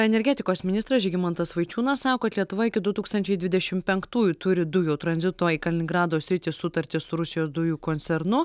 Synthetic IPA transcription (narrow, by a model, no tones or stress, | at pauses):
ɛnʲɛɾʲɡʲæːt̪ʲɪkoːsmʲɪnʲɪst̪ɾɐsʒʲɛɡʲɪmɐnt̪ɐsʋɐɪt͡ʃʲuːnɐssɑːkoːɐt̪lʲiɛt̪ʊʋɐɪkʲɪd̪ʊt̪uːkst̪ɐnʲt͡ʃʲɛɪd̪ʲʋʲɪd̪ʲɛʃʲɪmpʲɛŋkt̪uːjut̪ʊɾʲɪd̪ʊjuːt̪ɾɐnʲzʲɪt̪oːikɐlʲɪnʲɪŋɡɾɑːd̪oːsʲɾʲɪt̪ʲɪsʊt̪ɐɾʲt̪ʲɪsʊɾʊsʲɪjoːsd̪ʊjuːkoːnʲtsʲɛɾnʊ